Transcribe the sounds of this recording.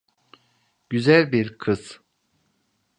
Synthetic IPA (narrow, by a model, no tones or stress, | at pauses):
ɟ̥yzælʲbiɾkʰɯz̥